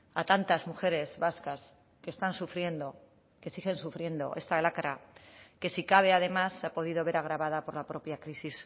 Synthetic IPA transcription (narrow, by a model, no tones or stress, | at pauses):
at̪ant̪azmuxe̞ɾe̞zβaskas | ke̞ːst̪ansufɾjend̪o | ke̞siɣensufɾje̞nd̪o̞̰ʔe̞st̪alakaɾake̞sikaβe̞að̞e̞masapo̞ð̞ið̞o̞βe̞ɾaɣ̞ɾaβað̞apo̞ɾlapɾo̞pjakɾisis